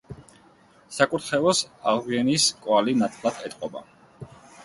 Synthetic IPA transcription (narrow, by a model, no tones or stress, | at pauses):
sakʼuɾt̪ʰχɛvɔsaʁviɛniskʼwalinat̪ʰlˠat̪ʰɛt̪ʼqʼɔba̰